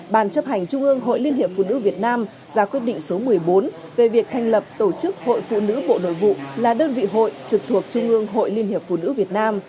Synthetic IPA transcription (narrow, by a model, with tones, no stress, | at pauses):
ɓaː˧˩nt͡ɕə˦˥p̚ha˨˩jŋ̟t͡ɕʊ˧ŋ͡mʔɨ˧əŋɦo̰˧˨jli˧ənhi˨˩əp̚fṵ˧˨nɨ̰˧˥vi˨˩ət̚naː˧m | zaː˨˦kwi˦˥ət̚ɗḭ̈˧˨ŋ̟so˨˦mɨ˨˩əjɓo˨˦n | ve˨˩vi˨˩ək̚t̪ʰa˧jŋ̟lə˨˩p̚t̪o˧˩t͡ɕɨ˦˥k̚ho̰˧˨jfṵ˧˨nɨ̰˧˥ɓo̰˧˨no̰˧˨jvṵ˧˨laː˨˩ɗəː˧nvḭ˧˨ɦo̰˧˨jt͡ɕɨ˨˩k̚t̪ʰu˨˩ək̚t͡ɕʊ˧ŋ͡mʔɨ˧əŋɦo̰˧˨jli˧ənhi˨˩əp̚fṵ˧˨nɨ̰˧˥vi˨˩ət̚naː˧m